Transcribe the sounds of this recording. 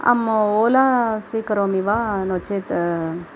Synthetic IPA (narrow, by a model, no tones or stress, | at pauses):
a̰moːlasʋikɐɾoːmiʋanot͡ʃet̪